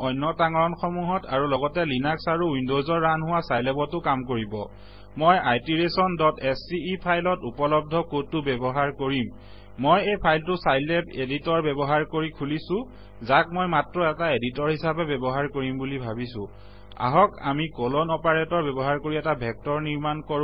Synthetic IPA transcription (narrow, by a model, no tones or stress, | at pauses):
ɔjnːɔtaŋɔɹɔnxɔmuɦɔta̰ɹulɔɡɔtɛlinaksaɹuwindozɔɹːanɦʊwasajlɛbɔtʊkamkoɹibɔ̰ | mojajtiɹesɔndɔtɛsiːpʰajlɔtupɔlɔb̚dʱɔkotːʊbɛbɔɦaɹkoɹimː | ojejpʰajltʊsajlɛbeditɔɹbɛbɔɦaɹkoɹikʰulisʊ̃ | zak̚mɔjmatɹɔɛtaeditɔɹɦisabɛbɛbɔɦaɹkoɹimbulibʱabisʊ̰̃ | a̰ɦɔka̰mikɔlɔnɔpaɹɛtɔɹbɛbɔɦaɹkoɹiɛtabʱɛk̚tɔɹniɹmankɔɹ